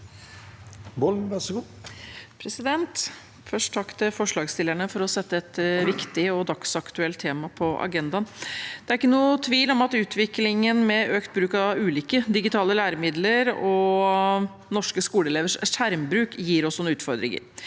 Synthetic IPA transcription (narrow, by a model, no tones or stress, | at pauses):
bɔlʋæɡu | pʰɾɛsɪd̪ɛnt̪ | fœʂʈ̪ʰɑkt̪əfɔʂɭɑːɡst̪ɪlːəæɳəfɔɾɔsɛt̪ːəɛt̪ʋɪkt̪ɪɔd̪ɑksɑkt̪ʉɛlt̪ʰːeːmɑpʰɔʔɑ̰ɡɛnd̪ɑnd̪̥ɛæɾɪkːənuːt̪ʰʋiːlɔmɑt̪ʉːt̪ʰʋɪklɪŋənmɛøːkt̪̚bɾʉːkɑʉːliːkəd̪ɪɡɪt̪ʰɑːləlæːɾəmɪd̪ləɾɔ | nɔʂkəskuːləɛleːʋəʂʂæɾmbɾʉːkjiːɾɔsːɔnʉːt̪fɔɾd̪ɾɪ̰ŋə̰ɾ